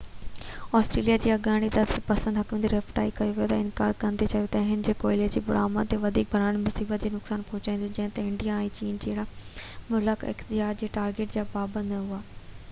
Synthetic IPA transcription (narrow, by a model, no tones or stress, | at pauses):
ɔːsʈɾeːlijad͡ʑiːɐɡaːɽ̃id̪ɐt̪pɐsə̃nd̪ɦɐkm̃nd̪iɾefʈa̰ːikɐjoʋijot̪ɐɪnka̰ːɾkɐ̃nd̪et͡ɕɐjot̪ɐɦɪnd͡ʑeːkoːɪled͡ʑiːbʊɽa̰ːmãt̪eʋɐd̪ʱiːk̚bʱɐɾãːɽ̃mʊsiːbət̪̚d͡ʑeːnʊksaːnpɔɦʊt͡ɕaĩnd̪õd͡ʑɐ̃ɦɪ̃t̪ɐɪ̃ɳɖijaɛ̃ːt͡ɕiːnd͡ʑeːɦɪɽamʊləkɪ̰xt̪ɪd͡ʑaːɾd͡ʑeːʈaːɾɡeːʈd͡ʑaːpaːbə̃nd̪ɦʊaː